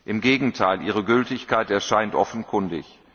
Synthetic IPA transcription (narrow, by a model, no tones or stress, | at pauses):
ʔɪmɡeːɡŋ̩tʰaɪlʔiːʁəɡʏltɪçkʰaɪtɛɐʃaɪntʔɔfn̩kʰʊndɪ̰ç